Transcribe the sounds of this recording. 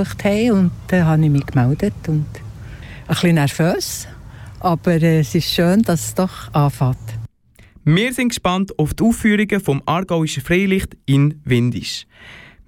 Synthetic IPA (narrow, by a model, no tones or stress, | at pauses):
əχthɛɪʊnd̥ɛɦɑnɪmiːkmɛld̥ətʊnd̥ | əχlinɛɾføːsʔɑb̥əɾɛsɪʃʃøːnd̥ɑssd̥ɔχɑːfɑːt | mɪːɾsɪnŋkʃpɑntʊftuːfːyːɾiɡəfɔmʔɑːɾɡaʊiʃəfɾeɪlɪχtɪnvɪndḭʃ